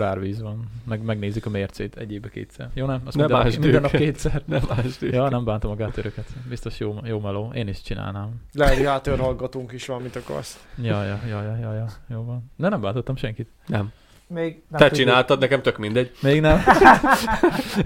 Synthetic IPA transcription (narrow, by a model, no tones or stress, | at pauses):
aːrʋiːzʋɒnmɛɡmɛɡneːzikɒmeːrt̪sḛːt̪ʰɛ̰ɟeːbɛkḛːt̪sɛ̰rjoːnɛmɒsiɛd̪maːʒmd̪ɛnɒkeːt̪sɛrnɛmaːʒd̪ejɒnɛmbaːnt̪ɒmɒɡaːt̪øɾøkɛt̪bist̪o̞ʃjoːjoːmɛloːeːniʃt͡ʃina̰ːlnaːmlɛliɦaːt̪øːɾhɒlɡɒt̪uːŋkiʃʋɒmint̪ɒkɒ̰st̪jɒjɒjɒjɒjɒjɒjoːvɒnd̪ɛnɛmbaːnt̪ot̪ːɒmʃɛŋkit̪ | nɛmː | ɡt̪ɛt͡ʃinaːlt̪ɒd̪̚nɛkɛmt̪økmind̪ɛɟmeːɡnɛm